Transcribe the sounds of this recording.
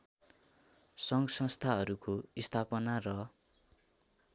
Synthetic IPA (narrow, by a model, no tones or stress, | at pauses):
sʌŋɡʌsʌ̃st̪ʰaɦʌɾukoist̪ʰapʌnarʌ